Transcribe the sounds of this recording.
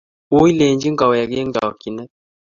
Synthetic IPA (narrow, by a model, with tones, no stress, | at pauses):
wo˦i˦le˨nd͡ʒi˦ŋɡa˨wɔ˨ja˨ɡe˦ŋ˦ɡa̰˨wɔ˨ki˨nɛ˦